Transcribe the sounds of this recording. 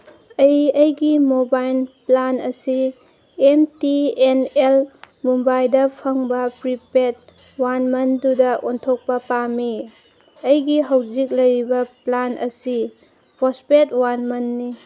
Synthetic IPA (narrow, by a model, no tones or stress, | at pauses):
ɐjɐjɡimobajlplanɐsi | emtienel | mumbajdɐpʰɐŋbɐpɾipet̚ | wanmɐndudɐʔontʰok̚pɐpami | ɐjɡiɦɐwzik̚lɐjɾibɐplanʔɐ̰si | pospet̚wanmɐnːi